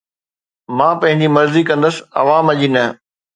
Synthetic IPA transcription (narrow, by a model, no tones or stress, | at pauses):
mãːpɐ̃ɦɪ̃ɲd͡ʑimɐɾzikɐ̃nd̪əs̆ɐ̰ʋaːmɐʄinɐ